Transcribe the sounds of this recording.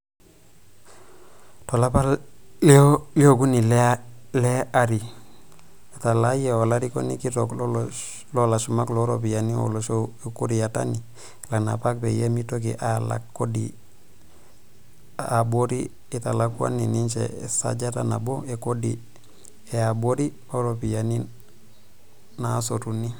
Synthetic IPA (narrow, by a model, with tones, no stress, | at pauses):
to˨la˦pa˦loli˦o˦ɡu˦ni˨lɛle˦a˦ɾi˨ | eta˨la˦jeo˨laɾi˦ko̰˦ni˦ki˦to˨kl | lo˦la˨ʃuma˦kloɾo˨pi˨ja˨ni˦o̰˨loku˦ɾi˨ja˨ta̰˦ni˨ | la˨kna̰˨pa˦k̚pḛje˦mi˦tok̬ḭ˨ʔa˦la̰kːo˦dḭ | abo˦ɾiː˦˨ | ta˨lakwa̰˦ni˨ni˦nt͡ʃɛ̰˨sa̰˦d͡ʒa˦ta˦na̰˨bo˦e˨ko˦dḭ˨ | ɛ˨a˨bo˦ɾi˦ | o˦ɾopi˨ja˨ni | naso˨tu˨ni˦